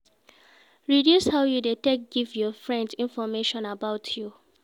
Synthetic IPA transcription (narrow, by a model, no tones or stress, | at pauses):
ɹidjushaʊjudetek̚ɡivjɔfɹɛ̃ndĩnfɔmeʃɔ̃nabaʊtʰju